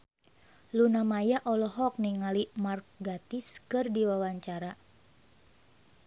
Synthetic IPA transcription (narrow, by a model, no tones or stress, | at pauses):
lunamajaʔɔlɔɦɔk̚niŋalimark̚ɡat̪iskɨrdiwawaɲt͡ʃaɾa